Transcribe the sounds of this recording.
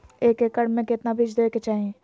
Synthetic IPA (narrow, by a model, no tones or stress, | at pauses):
eːkekəɽmẽkɪt̪nabʱɪd͡ʒd̪oeket͡ʃaːɦẽ